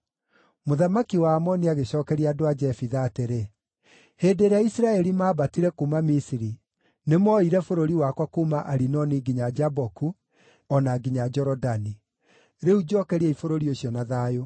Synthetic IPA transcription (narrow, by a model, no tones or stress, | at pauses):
moðamakiwaːmɔniaɣeɕɔːkɛɾiadoad͡ʒɛfiðaːteɾe | heːdeɾeaisiɾaɛɾimaːbatiɾɛkumamisiɾi | nemɔiɾɛfoɾoɾiwakwakumaʔaɾinɔniɡiɲad͡ʒabɔku | ɔnaɡiɲad͡ʒɔɾɔdani | ɾeud͡ʒɔkɛɾiɛifoɾoɾioɕjɔnaðaːjo